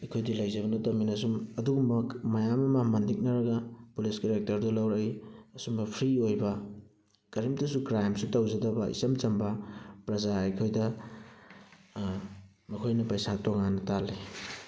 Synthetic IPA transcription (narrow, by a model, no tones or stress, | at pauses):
ɐjkʰojdilɐjzɐβɐnɐtɐminɐsumɐduɡumbɐkmɐjamɐmɐmɐndik̚nɐɾɐɡɐpuliskeɾek̚tɐɾdulawɾajɐsumbɐpʰɾiojbɐ | kɐɾimtɐsukɾajmsutawzɐdɐbɐḭsɐmt͡ʃɐmbɐpɾɐzaɐjkʰojdɐ | mɐkʰojnɐpɐjsatoŋanɐtali